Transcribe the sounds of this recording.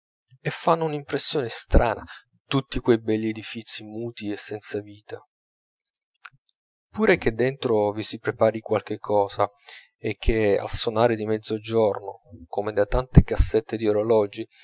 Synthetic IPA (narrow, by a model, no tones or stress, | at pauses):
efːanːounimpɾesːjoːnest̪ɾa̰ːna | t̪ut̪ːikwejbɛlːied̪ifit̪simuːt̪iesːɛnt̪saviːt̪a | pːuːɾek̟ed̪ːent̪ɾovisipɾepaːɾikwalk̟ekʰːɔːza | ek̟ʰːea̰lsonaːɾed̪imɛd̪zod͡ʒornokomed̪at̪ant̪ekasːet̪ːed̪ioɾolɔːd͡ʒi